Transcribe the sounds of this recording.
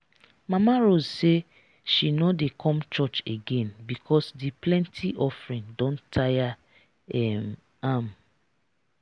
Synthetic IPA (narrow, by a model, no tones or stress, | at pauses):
mamaɾozse | ʃinɔdekʰɔ̃mt͡ʃɔt͡ʃeɡẽnbikʰɔsdiplɛ̃ntʰiʔɔfɾĩndɔ̃ntʰaja | ɛm | am